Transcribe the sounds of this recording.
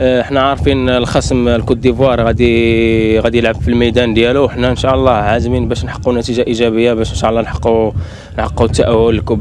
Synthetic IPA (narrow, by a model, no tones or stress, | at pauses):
əħnæʕɑɾˤfinlxæsəmlkud̪ivwɑɾˤɣæd̪i | ɣæd̪ijəlʕəbfilməjd̪ænd̪jæluwəħnæənʃæʔəlˤːɑʕazminbæʃnħɑ̥qːunæt̪iʒaʔiʒæbəjːabæʃnʃæʔlˤːɑnħə̥qːu | nħɑqːut̪ːaʔæwːʊləlkʊb